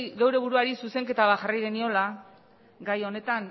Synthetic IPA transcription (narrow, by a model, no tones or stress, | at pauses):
ɣe̞wɾe̞β̞uɾuaɾisuse̞ŋke̞t̪aβaxarajɣe̞nio̞la | ɡajo̞ne̞t̪aŋ